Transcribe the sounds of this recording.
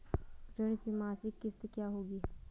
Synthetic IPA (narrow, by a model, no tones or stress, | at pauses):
d͡ʒəñik̪imaːsikːɪst̪ekjaːɦoːɡiː